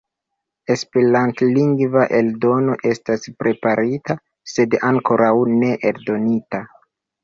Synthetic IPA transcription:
e̞speɾantliŋɡvaʔe̞ldo̞no̞ʔe̞staspɾʔe̞paɾita | se̞daŋko̞ɾawne̞ʔeldo̞nita

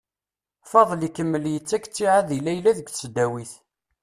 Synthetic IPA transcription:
fɑðˤlikəmːəljət͡sːækt͡sːiʕaðilæjlæðəɡθsəd̪æwiθ

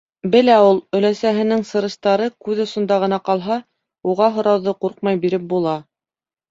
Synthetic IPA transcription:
bɘ̆læulˠɵ̆læsæɦɘ̆nɘŋsɤ̆ɾɤ̆ʃt̪ɑɾɤkʉðŏsŏnd̪ɑʁɤ̆nɑqɑlˠɦɑ | uʁɑɦŏɾɑwðɤquɾq̚mɑjbiɾɘp̚bulˠɑ

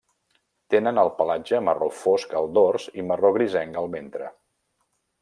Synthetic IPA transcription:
t̪enənəlˠpəlad͡ʒəmərofoskəlˠd̪orziməroɣɾizɛŋɡəlˠβent̪ɾə̰

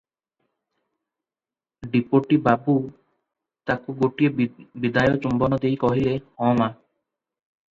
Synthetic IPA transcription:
ɖipoʈibabu | t̪akuɡoʈiebid̪ajɔt͡ʃumbɔnɔd̪ejkɔɦilehɔ̃ma

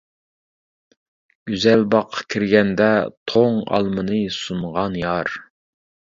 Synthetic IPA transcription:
ɡʲyzɛlbɑqʰːɑ̥kʲʰiɾɡʲɛnd̪ɛt̪ʰoŋɑ̰lˠmɨnɨsuɴʁɑnjɑɾ

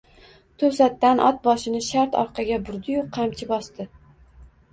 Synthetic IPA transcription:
t̪ʰɵsat̪ːanʔɒt̪̚bɒʃɪnɪʃaɾt̪ɒ̰ɾqʰɑɡʲabʊɾd̪ɪjoqʰːamt͡ʃʰɪbɒst̪ɪ

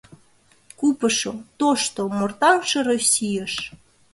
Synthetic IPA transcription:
kupəʃot̪oʃt̪omort̪ɑmʃeɾosʲijəʃ

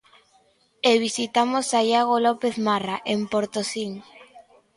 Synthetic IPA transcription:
eβ̞isit̪amosajaɣolopeθmaraʔempoɾt̪osiŋ

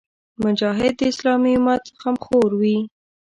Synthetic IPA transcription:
mʊd͡ʒɑɦɪd̪ːəɪslɑmiʊmat̪xamxoɾwi

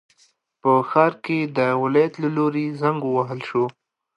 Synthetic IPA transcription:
pəxɑɾked̪əwɪlɑjat̪laloɾezaŋɡuwaɦəlʃo

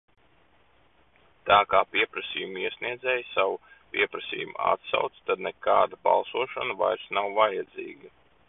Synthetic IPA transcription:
t̪aːkaːpʲiɛpɾɐsḭːjumiɛsʲniɛd̪zɛːjsawupʲiɛpɾasḭːjum̰a̰t̪sa̰wt̪st̪ad̪nɛka̰ːd̪aba̰lˠsuɔʃanva̰jɾsnawvajad̪zḭːɡɐ

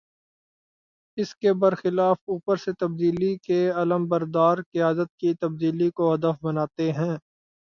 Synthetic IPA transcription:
ɪskebɐɾxɪlaːfuːpəɾset̪ɐb̚d̪iːlikeɐləmbɐɾd̪aːɾkɪjaːd̪ət̪̚kit̪ɐb̚d̪iːlikoɦɐd̪əfbɐnaːt̪eɦɛ̃ː

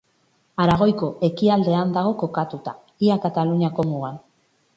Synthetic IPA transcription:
aɾaɣ̞o̞jko̞ʔe̞kiald̪e̞and̪aɣo̞ko̞kat̪ut̪a | iakat̪aluɲiako̞muɣan

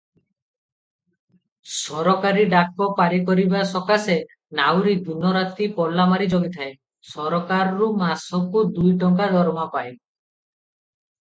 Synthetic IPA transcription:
sɔɾɔkaɾiɖakɔpaɾikɔɾibasɔkase | nawɾid̪unɔɾat̪ipɔlːamaɾid͡ʒoɡit̪ʰae | sɔɾɔkaɾɔɾumasɔkud̪ujʈɔŋkad̪ɔɾɔmapae

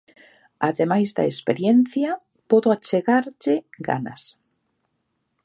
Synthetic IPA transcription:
aðemajzða̰espeɾjenθja | pɔðoat͡ʃeɣaɾʎɪɡa̰na̰s

